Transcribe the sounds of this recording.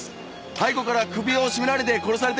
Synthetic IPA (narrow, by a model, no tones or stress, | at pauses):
ɨ̥ | haiko̞kaɾakɯ̟bʲio̞ɕimiɾaɾʲid̪e̞ko̞ɾo̞saɾe̞t̪